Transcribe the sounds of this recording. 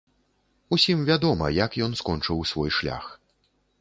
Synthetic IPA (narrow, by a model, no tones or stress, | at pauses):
usʲimvʲad̪ɔmɐ̰jɐkjɔnskɔnt͡ʂɨwsvɔjʂlʲa̰x